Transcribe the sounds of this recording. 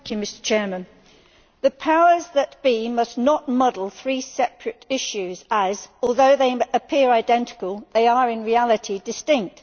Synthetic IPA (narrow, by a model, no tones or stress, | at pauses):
kʰjɨmɪstə̥t͡ʃʰɛːmə̃n | ðəpʰaʊəzðət̚b̥imʌsnəʔ̚mʌdl̩ˠθɹiːsɛpʰɹ̥ɨɾɪʃʉzəzɔlˠðoʊðeɪəpʰɪəɹaɪdɛ̃ntɪ̥kəlˠðeɪəɹɪ̃nɹiælˠɪtʰidɨstɪ̃ŋk̚t